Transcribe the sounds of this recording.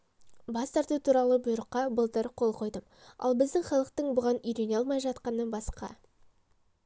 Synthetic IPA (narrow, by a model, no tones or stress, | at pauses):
bɑst̪ɑɾt̪ut̪ʰuɾɑlˠəbʊjɾəqːɑbəlˠt̪əɾqʰo̞lˠqʰo̞jd̪əm | ɑ̰lˠbɪzd̪ɪŋχɑlˠəq̚t̪əɴbʊʁɑnʏjɾe̞nɑlˠmɑjʒɑt̪qɑnəbɑsqɑ̰